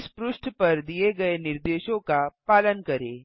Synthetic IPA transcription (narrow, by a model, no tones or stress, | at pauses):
spɾʊʃʈʰpɐɾd̪ieɡɐenɪɾd̪eːʃõkapaːlənkɐɾeː